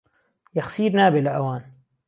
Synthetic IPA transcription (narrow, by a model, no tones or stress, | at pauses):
jaxsiːɾnaːbɪlʔawaːn